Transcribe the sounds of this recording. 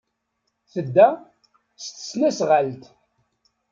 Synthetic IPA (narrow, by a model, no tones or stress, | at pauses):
θəd̪ːæ | st̪ə̥snæsʁalt̪